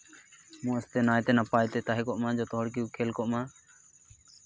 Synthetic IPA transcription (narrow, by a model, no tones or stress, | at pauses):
mɔ̃ɛst̪ɛnajt̪ɛnapajt̪ɛt̪aɦɛkɔʔmãd͡ʒɔt̪ɔɦɔɽk̬iukʰɛlkɔʔma